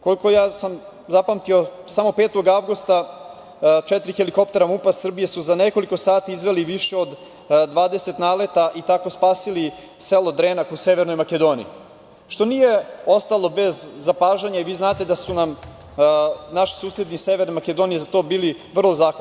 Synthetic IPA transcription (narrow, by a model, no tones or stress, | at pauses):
ko̞likojaːsam | zapamt̪io̞samo̞peːt̪o̞ɡaʋɡust̪a | t͡ʃɛt̪ɾixeliko̞pt̪e̞ɾamupasr̩bije̞suzaneko̞liko̞saːt̪iizʋe̞liʋiʃe̞o̞d̪ | d̪ʋaːd̪e̞se̞t̪naːlet̪aʔit̪ako̞spaːsili | selod̪ɾenakuseʋeɾnojmaked̪o̞ːnḭi | ʃt̪o̞nije̞o̞st̪alˠo̞be̞zːapaːʒaɲaiʋiːznaːt̪e̞d̪asunam | naʃi̥suːsɾed̪niseʋeɾnemaked̪onijezat̪o̞ːbiːliʋr̩lˠo̞zaːxʋa